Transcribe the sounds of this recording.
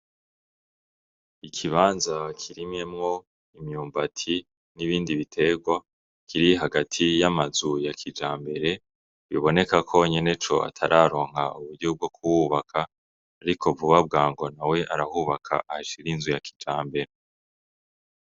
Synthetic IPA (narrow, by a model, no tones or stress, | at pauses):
ikʰiβaːnzakʰiɾimɲe̞mŋo̞ | imɲuːmbatʰi | niβiːndiβitʰe̞ɡwa | kʰiɾiɦaɡatʰijamazujakʰid͡ʒaːmbe̞ɾe̞ | βiβo̞ne̞kakʰo̞ɲe̞ne̞t͡ʃo̞̰a̰tʰaɾʔaːɾo̞ːŋ̥ɦhauβuɟub̚ɡo̞kʰuwuβakʰaː | ɾikʰo̞vuβab̚ɡaːŋɡo̞nawe̞ʔaɾahuːβakʰa̰ʔaʃiɾinzujaki̥d͡ʒaːmbe̞ɾe